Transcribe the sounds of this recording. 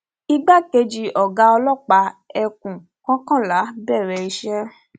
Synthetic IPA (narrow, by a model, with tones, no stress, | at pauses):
i˧ɡ͡ba˦ke˧d͡ʒi˨ʔɔ˨ɡa˧ɔ˧lɔ˦˨k͡pa˧˦ɛ˧kũ˨ | kã˦kã˦˨la˨˦bɛ˦˨ɾɛ˧˨i˧ʃɛ˦